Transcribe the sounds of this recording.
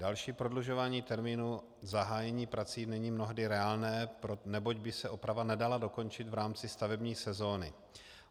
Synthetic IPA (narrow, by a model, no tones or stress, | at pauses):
dalʃiːpɾo̞dluʒo̞vaːɲiːt̪ɛɾmiːnu | zaɦaːjɛɲiːpɾat͡siːnɛɲiːmno̞ɦdɪɾɛaːlnɛːpɾonɛbo̞ɟbɪsɛʔo̞pɾavanɛdalado̞ko̞nt͡ʃɪt̪vɾaːmt͡sɪst̪avɛbɲiːsɛzo̞ːnɪ̰